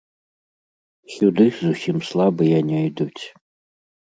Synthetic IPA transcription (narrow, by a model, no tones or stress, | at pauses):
xʲud̪ɨxʲzuɕʲimslˠabɨjanʲɛjdutʰ